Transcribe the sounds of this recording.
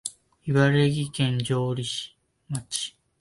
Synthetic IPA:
iβaɾeɡʲikẽ̞ɲd͡ʑoːɾʲiɕi̥ | mat͡ɕi̥

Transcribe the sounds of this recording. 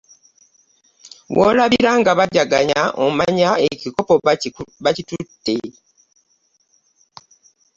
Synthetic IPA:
wo̰ːlaβiɾaŋɡaβaɟaɡaɲaʔo̰maɲaecikopoβacitutːe̞

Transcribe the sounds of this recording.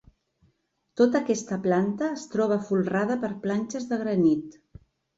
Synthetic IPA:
t̪ot̪əkɛst̪əplant̪əːst̪ɾɔβ̞əfulˠrað̞əpəɾplanʲt͡ʃəzðəɣɾənit̪

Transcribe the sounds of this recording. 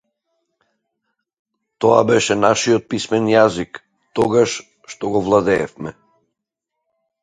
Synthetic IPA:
t̪ɔabɛʃɛnaʃiɔt̪̚pismɛnjazik | t̪ɔɡaʃ | ʃt̪ɔɡɔvlˠad̪ɛːfmɛ

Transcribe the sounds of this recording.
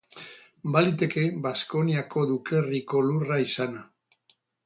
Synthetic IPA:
balit̪e̞ke̞basko̞niako̞ðuke̞riko̞luraisana

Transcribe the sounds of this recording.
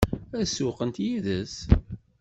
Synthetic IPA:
æsʊqənt̪jiðəs

